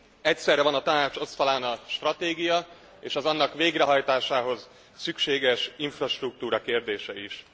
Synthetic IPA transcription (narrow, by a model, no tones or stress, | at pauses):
ɛcsɛrːɛvɒnɒt̪ɒnaːt͡ʃo̞sfɒlaːnɒʃt̪rɒt̪eːɡijɒ | eːʃɒzɒnːɒkʋeːɡrɛɦɒjt̪aːʃaːɦo̞z | sykʃeːɡɛʃiɱfrɒʃt̪ruk̚t̪uːɾɒkeːrd̪eːʃɛiʃ